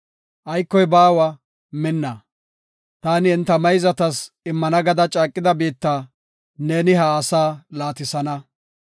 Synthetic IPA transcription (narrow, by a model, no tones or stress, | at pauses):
ʔɐjkːɔjbaːwɐ | mɪnːɐ | t̪aːnɪɪnt̪ːɐmɐjzɐt̪ɐs | ɪmːɐnɐɡɐd̪ɐt͡ʃʼaːkʼːɪd̪ɐbiːt̪ːaː | ne̞ːnɪɦɐːsaːlaːt̪ɪsɐnɐ